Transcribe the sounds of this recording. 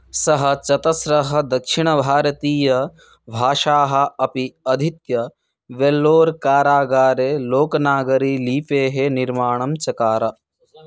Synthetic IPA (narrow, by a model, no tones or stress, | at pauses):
sɐɦɐ̆t͡ʃɐt̪ɐsɾɐɦɐ̆d̪ɐkʂiɳɐbʱaːɾɐt̪iːjɐ | bʱaːʃaːɦɐ̆ɐpiɐd̪ʱit̪jɐ | ʋelːoːɾkaːɾaːɡaːɾeːloːkɐnaːɡɐɾiːliːpeːɦeniɾmaːɳ̃ɐmt͡ʃɐkaːɾɐ